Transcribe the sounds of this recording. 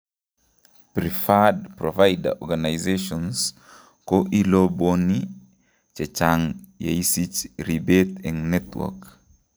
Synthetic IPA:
pɾifadpɾɔvajda̰ʔɔɡanajzeʃɔns | koʔilɔboni | t͡ʃɛt͡ʃaŋja̰isit͡ʃɾibɛt̪ɛ̃ŋnɛtwɔ̰k

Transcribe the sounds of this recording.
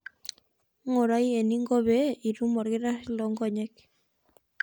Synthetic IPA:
ŋoɾajeniŋɡoβeiɾumoɾɣeɾasloŋɡoɲek

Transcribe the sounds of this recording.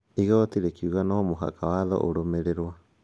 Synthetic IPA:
iɣat̪iɾekiuɣanomoɦa̰kawaðo̰ʔo̰ɾomeɾeɾoa

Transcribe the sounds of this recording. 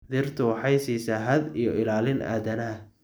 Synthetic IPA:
d̪ɪrt̪ʰʊwɑħɑjsiːsaːɦɐd̪ijɔɪlaːlɪnʔa̰ːd̪ɐnɐɐ

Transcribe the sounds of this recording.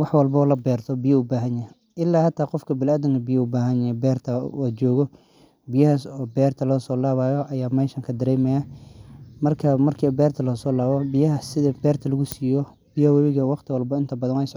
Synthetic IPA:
wɑħwɑlbɐɔːlɐbɛːrt̪ʰɔbɪjɐʊbaːɦɐnjɐ | ʔɪlːaːhɐt̪ʰaːqɔfkʰɐbɪlaːd̪ɪŋkʰɐbɪjɐʊbaːɦɐnjɐjɛbɛːrt̪ʰɐɔːt͡ʃɔːɣɔ | bɪjɐhɐsɔːbɛːrt̪ʰɐlɔːsɔːlaːβaːjɔʔɐjaːmɛːʃɐŋkʰɐd̪ɐɾɛːmɛja | mɐrkʰɐmɐrkʰɐbɛːrt̪ʰɐlɔːsɔːlaːβɔbɪjɐɦɐsɪðɐbɛːrt̪ʰɐlɐɣʊsiːjɔ | bɪjɐhwɐβɪɣɐwɑqt̪ʰɪwɑlbɐɪnt̪ʰɐbɐðɐnwɛjɪsʕ

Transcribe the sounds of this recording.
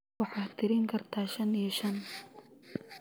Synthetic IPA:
wɑħɑːt̪ʰɪɾɪŋkʰɐrt̪ʰaːʃɐnijɐʃɐn

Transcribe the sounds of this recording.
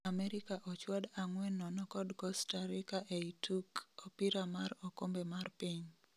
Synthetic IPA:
amɛɾɪkaʔɔt͡ʃwadaŋwɛnːɔnɔkɔdɡɔstaɾɪkaʔeitukopiɾamaɾɔkombemarpiɲ

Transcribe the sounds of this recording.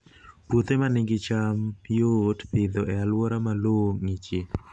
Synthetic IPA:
put̪emanɪŋɡɪt͡ʃamjotpɪd̪oʔɛalwɔɾamaloŋit͡ʃɪ

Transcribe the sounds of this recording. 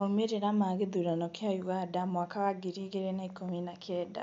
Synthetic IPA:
omeɾeɾamaɣeðuɾanɔkjajuɣadamwakawaɡiɾiɣeɾenaikominakjɛːda̰

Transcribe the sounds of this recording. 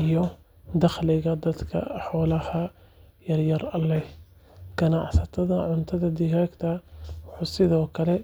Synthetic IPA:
ɪjɔ | d̪ɑχlɪɣɐd̪ɐd̪kʰɐ̰ħɔːlɐhɐ | jɐrjɐrɐlːɛ | ɡ̥ɐnɑʕsɐt̪ʰɐðɐʕʊnt̪ʰɐðɐd̪ɪɾɛkt̪ʰɐwʊħuːsɪðɔːkʰɐlɛ

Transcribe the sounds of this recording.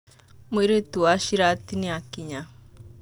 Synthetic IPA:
miɾetuaʃiɾatiniakiɲa

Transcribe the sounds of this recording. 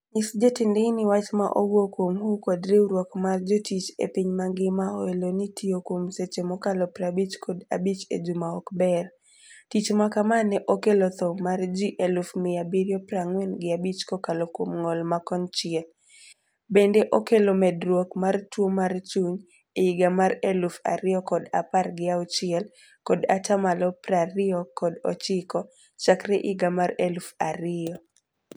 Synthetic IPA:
nisd͡ʒɔtɪndɪnɪwat͡ʃma̰ʔoɡwokwomhukɔdɾeɾwokmard͡ʒɔtit͡ʃḛpiɲmaŋɡɪmaɔelonitʰiokwomset͡ʃemɔkalɔpɾabit͡ʃkʰɔda̰bit͡ʃḛd͡ʒumaɔkbɛr | tit͡ʃmakamanɛʔokelɔt̪ɔmard͡ʒiʔelufmɪabiɾjɔpɾaŋwɛnɡɪabit͡ʃkɔkalɔkwomŋɔlmakɔnt͡ʃɪɛl | bendeʔokelomɛdɾwokmartwomart͡ʃuɲ | eɪɡamaɾelufa̰ɾɪɔkɔdaparɡɪaʊt͡ʃɪɛl | kɔdatamalɔpraɾɪɔkɔdɔ̰t͡ʃɪkɔ | t͡ʃakɾɛʔɪɡamaɾelufaɾɪɔ

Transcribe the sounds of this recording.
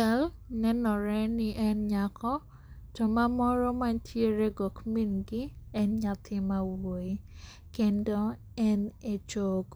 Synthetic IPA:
al | nɛnɔɾɛnɪʔɛnɲakʰɔ | d͡ʒɔmamɔɾɔmaɲtʰjeɾeɡokminɡɪɛnɲat̪ʰɪmawoi | kendɔ | ɛnet͡ʃoɡ

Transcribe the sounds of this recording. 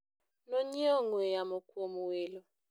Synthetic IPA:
noɲiɔŋwɛjamɔkwomuwelɔ

